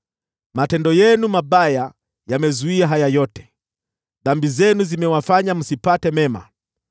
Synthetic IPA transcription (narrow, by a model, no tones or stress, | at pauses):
matɛndɔjɛnumaɓaja | jamɛzuiaɦajajɔtɛ̥ | ðambizɛnuzimɛwafaɲam̩sipatɛmɛma̰